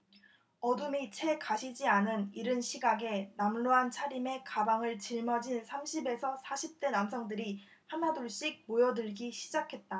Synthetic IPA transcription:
ʌdumit͡ɕʰe̞kaɕʰid͡ʑianɯniɾɯnɕʰiɡaɡe̞namɭoɦant͡ɕʰaɾime̞kabaŋɯɭt͡ɕiɭmʌd͡ʑinsʰamɕʰibe̞sʰʌsʰaɕʰip̚t͈e̞namsʰʌŋdɯɾi | hanadoɭɕ͈ik̚mojʌdɯɭɡiɕʰi̥d͡ʑakʰe̞t̚t͈a

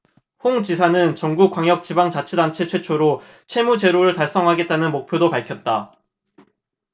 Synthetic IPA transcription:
hoŋt͡ɕisʰanɯnt͡ɕʌŋɡuk͈ːwaŋjʌk̚t͡ɕibaŋt͡ɕat͡ɕʰedant͡ɕʰe̞t͡ɕʰwe̞t͡ɕʰoɾo | t͡ɕʰwe̞mud͡ʑe̞ɾoɾɯɭtaɭs͈ʌŋɦaɡe̞t̚t͈anɯnmok̚pʰjodopaɭkʰjʌt̚t͈a

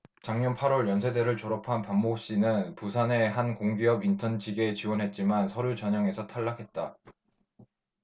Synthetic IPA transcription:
t͡ɕaŋɲʌnpʰaɾwʌɭjʌnsʰe̞de̞ɾɯɭt͡ɕoɾʌpʰanpammok̚ɕ͈inɯnpusʰane̞ɦankoŋɡiʌbintʰʌnd͡ʑʰiɡe̞t͡ɕiwʌnɦe̞t̚t͡ɕ͈imansʰʌɾut͡ɕʌɲaŋe̞sʰʌtʰaɭːakʰe̞t̚t͈a

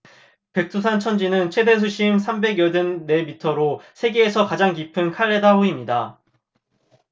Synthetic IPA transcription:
pe̞k̚s͈ʰus̬ʰant͡ɕʰʌnd͡ʑinɯnt͡ɕʰwe̞de̞s̬ʰuɕʰimsʰambe̞ɡjʌdɯnːe̞mitʰʌɾosʰe̞ɡeːsʰʌkad͡ʑaŋk̬ipʰɯnkʰaɭːedaoimɲida

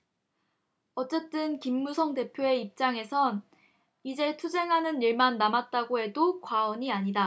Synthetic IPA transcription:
ʌt͡ɕ͈e̞t͈ɯnkimːusʰʌŋte̞pʰjoe̞ip̚t͡ɕ͈aŋe̞sʰʌn | id͡ʑe̞tʰud͡ʑe̞ŋɦanɯniɭmanːamat̚t͈aɡoe̞dokwaʌɲiaɲida

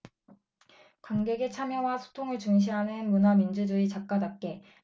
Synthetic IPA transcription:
kwaŋɡe̞ɡet͡ɕʰamjʌwasʰo̥tʰoŋɯɭt͡ɕuŋɕ̬ʰiɦanɯnmunamind͡ʑud͡ʑuit͡ɕap̚k͈adap̚k͈e̞

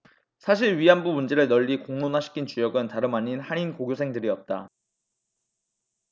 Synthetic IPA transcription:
sʰaɕ̬ʰiɭɥianbumund͡ʑe̞ɾɯɭnʌʎːikoŋnonaɕʰi̥kʰint͡ɕujʌɡɯntaɾɯmaɲinhaninkoɡjosʰe̞ŋdɯɾiʌp̚t͈a

